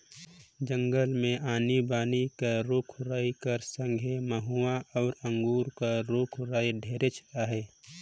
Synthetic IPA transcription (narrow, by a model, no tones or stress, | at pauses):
d͡ʒə̃ŋɡəlmẽʔaːnibaːnikaɾoːkʰɾaːikəɾsə̃ŋɡʱeməɦuaʔɔːɾə̃ŋɡuːɾkaɾoːkʰɾaːjɖʱeːɾet͡ʃʰaɦɛː